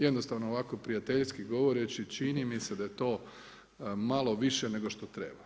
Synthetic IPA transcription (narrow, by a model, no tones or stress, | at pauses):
jed̪nost̪aʋnoːʋako̞pɾijat̪eʎskiɡo̞ʋoɾet͡ʃit͡ʃinimise̞d̪ajet̪o̞ː | malˠo̞ʋiʃene̞ɡoʃt̪o̞t̪ɾeːba